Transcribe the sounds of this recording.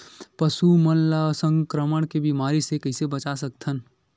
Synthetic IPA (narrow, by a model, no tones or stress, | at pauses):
pəsumənlasə̃ŋkɾəməɳkebimaɾisekəɪsebət͡ʃasək̚t̪ʰən